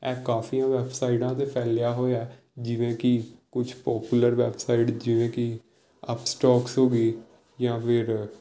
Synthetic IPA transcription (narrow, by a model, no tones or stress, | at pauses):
ɛːkaːfiːãːʋɛːpsaːɪɖãːt̪eːpʰɛːljaːɦoːjaː | d͡ʒɪʋẽːkikʊt͡ʃʰpɔːpjuləɾʋɛːbsaːɪʈd͡ʒɪʋẽːki | əpsʈɔːksɦoːɡiː | jãːpʰɪɾ